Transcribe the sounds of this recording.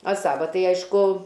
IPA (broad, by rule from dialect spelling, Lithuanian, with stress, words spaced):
ɐ ˈsɑːʋɐ ˈtɐɪ ˈɐɪʃkʊ